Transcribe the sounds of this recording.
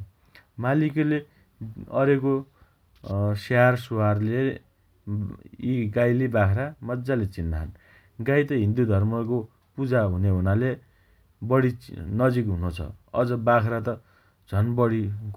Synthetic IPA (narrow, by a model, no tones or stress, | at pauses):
malikele | ʌɾeko | searsoarle | iɡajlibakʰɾamʌd͡zalet͡sinːaɦʌn | ɡajt̪ʌɦĩnd̪ud̪ʱʌrmʌko | pud͡zaɦuneɦunale | bʌɽinʌd͡zik̬ɦunut͡sʰʌ̰ʌ̰d͡zʌbakʰɾat̪ʌ | d͡zʱʌnbʌɽi